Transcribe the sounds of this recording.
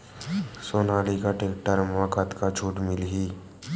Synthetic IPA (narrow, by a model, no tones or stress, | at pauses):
soːnaːlikaʈeːkʈəɾmakʰət̪kat͡ʃʰuːʈmɪlɦiː